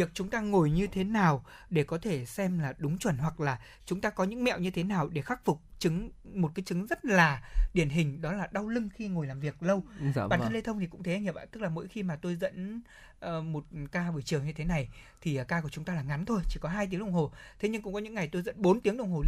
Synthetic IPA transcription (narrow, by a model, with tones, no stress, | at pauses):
vi˨˩ək̚t͡ɕʊ˨˦ŋ͡mt̪aː˧ŋo˨˩jɲɨ˧t̪ʰe˨˦naː˨˩w | ɗe˧˩kɔ˨˦t̪ʰe˧˩sɛ˧mlaː˨˩ɗʊ˨˦ŋ͡mt͡ɕwə˧˩nɦwa˨˩k̚laː˨˩ | t͡ɕʊ˨˦ŋ͡mt̪aː˧kɔ˨˦ɲɨ̰˧˥ŋmɛ̰˧˨wɲɨ˧t̪ʰe˨˦naː˨˩wɗe˧˩xaː˦˥k̚fʊ˨˩k͡p̚t͡ɕɨ˨˦ŋmo˨˩t̚kaː˨˦jt͡ɕɨ˨˦ŋzə˦˥t̚laː˨˩ɗi˧˩ənɦï˨˩ŋ̟ɗɔ˨˦laː˨˩ɗa˧wlɨ˧ŋxi˧ŋo˨˩jlaː˨˩mvi˨˩ək̚lə˧waː˨nt̪ə˧le˧t̪ʰə˧wŋ͡mt̪ʰi˨˩kʊ̰˧˥ŋ͡mt̪e˨˦˧ŋɲə˨˩p̚a̰ː˧˨˩t̪ɨ˦˥k̚laː˨˩mo̰˧˥jxi˧maː˨˩t̪o˧jzə̰˧˥n | ʔːmo˨˩t̚kaː˧vɨː˨˩t͡ɕɨ˨˩əŋɲɨ˧t̪ʰe˨˦na˨˩jt̪ʰi˨˩ʔːkaː˧ku˧˩ət͡ɕʊ˨˦ŋ͡mt̪aː˧laː˨˩ŋa˨˦nt̪ʰo˧jt͡ɕi˧˩kɔ˨˦ɦaː˧jt̪i˨˦ŋɗə˧wŋ͡mho˨˩t̪ʰe˨˦ɲɨ˧ŋkʊ̰˧˥ŋ͡mkɔ˨˦ɲɨ̰˧˥ŋːa˨˩jt̪o˧jzə̰˧˥nɓo˨˦nt̪i˨˦əŋɗə˧˩wŋ͡mho˨˩